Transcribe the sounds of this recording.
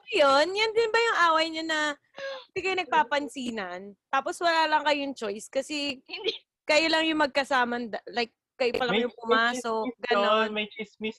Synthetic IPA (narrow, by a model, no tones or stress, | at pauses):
jonjɐnd̪ɪnbɐjʊŋʔaːwɐjɲɐnɐ | ɪnd̪ikɐjnɐɡ̚paːpɐnsiːnɐnt̪aːposwɐlaːlɐŋkɐjojʊŋt͡ʃo̞jskɐsɛ | kɐjʊlɐŋjʊŋmɐɡ̚kɐsaːmɐnd̪ɐlajk̚ːɐjopɐlɐŋjʊŋpʊmaːsok̚ɡɐnnonmɐjt͡ʃismis